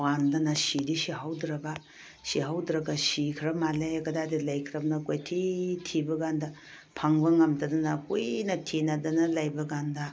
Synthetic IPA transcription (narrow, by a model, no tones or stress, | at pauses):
wandɐnɐsidisihawdɾɐɡa | siɦawdɾɐɡasikʰɾɐmalekɐdadilajkʰɾɐmnɐkojtʰitʰibɐɡandɐ | pʰaŋbɐŋɐmtɐdɐnɐkojnɐtʰinɐdɐnɐlɐjbɐɡandɐ